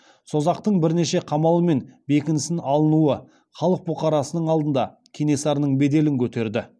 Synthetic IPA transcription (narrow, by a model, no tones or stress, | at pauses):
so̞zɑq̚t̪əɴbɪɾne̞ʃe̞qʰɑmɑlˠəme̞nbe̞kʲɪnɪsɪnɑlˠənuə | χɑlˠəq̚bʊqɑɾɑsənəɴɑlˠd̪ənd̪ɑ | kʲʰene̞sɑɾnəɴbe̞d̪e̞lɪŋkʲʰɵt̪e̞ɾd̪ɪ